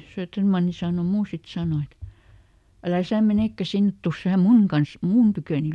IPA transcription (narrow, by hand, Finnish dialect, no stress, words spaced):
søːtːermɑnːi sɑˑno muː sit sɑˑno et ælæ sæˑ meneˑkːæ sinːet tus sæː muŋ kɑns mun tykøˑni